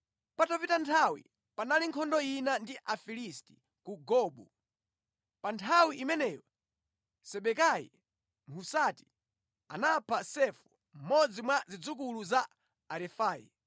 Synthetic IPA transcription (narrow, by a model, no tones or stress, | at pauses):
patɔpitantʰawḭ | panaliŋkʰɔndɔinandiʔafilisti̥ | kuɡɔɓṵ | pantʰawiʔimɛnɛjɔ | sɛɓɛkajḭ | ŋkʰusati̥ | a̰napʰasɛfu̥ | m̩mɔd͡zimwazid͡zuk̬uluzaː | ɾɛfaːjḭ